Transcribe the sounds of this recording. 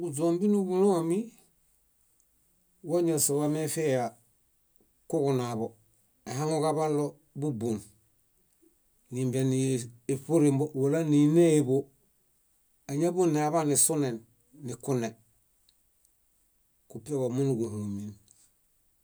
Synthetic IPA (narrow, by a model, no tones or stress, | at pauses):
ɡud͡ʒoːmbinubuloami | woɲosowamefeja | kukunabo | eɦaŋokabalːo | bubun | nimbeniipuɾimbowolanineibo | aɲabuneaβanisunenː | ikune | kupiobomunuɡuhumin